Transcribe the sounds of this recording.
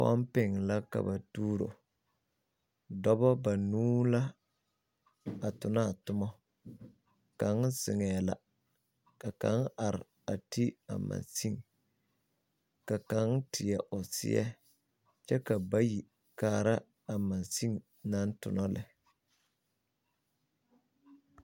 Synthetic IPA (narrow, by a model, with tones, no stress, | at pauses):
fa̰˦m˦pɪ˨ŋ˨la˦ka̰˨ba˨tuː˦ɾo̰˨ | dɔ˦bɔ˦ba˨nuː˦la˦ | a˨tʊ˨na˦˨tʊ˦mɔ˦ | ka˨ŋz̥ɪ˨ŋɛ˨la̰˨ | ka˨ka˦ŋa˨ɾɪ˨ | a˨ti˦a̰˨ma̰˨nsi˦ŋ | ka˨ka˨˦ŋ˦tʰɪ˨ɛ˨ʔʊ˨sɪ̰˦ɛ̰˦ | t͡ʃɛ˦ka˨ba˦ji˨ | kaː˦˨ɾa˦ | a˨ma˨nsi˦ŋ | na˦n˦tʊ̰˨nɔ˦lɪ˨